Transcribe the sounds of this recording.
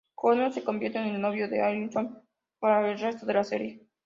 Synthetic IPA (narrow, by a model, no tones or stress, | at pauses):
konose̞ko̞mbjeɾt̪enelːoβjoðeajlnt̪om | paɾaelrest̪oðe̞lasḛɾje